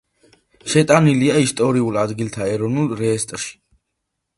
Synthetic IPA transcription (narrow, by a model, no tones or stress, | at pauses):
ʃɛt̪ʼaniliaist̪ʼɔɾiulad̪ɡilt̪ʰaɛɾɔnulˠɾɛːst̪ʼɾʃi̥